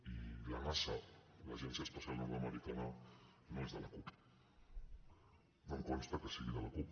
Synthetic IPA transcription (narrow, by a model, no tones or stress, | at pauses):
ilamasala̰ʒɛnsiəspəsjalnuɾaməɾik̪ana | noezðəlakup | d̪oŋkonst̪akəsiɣiðəlakup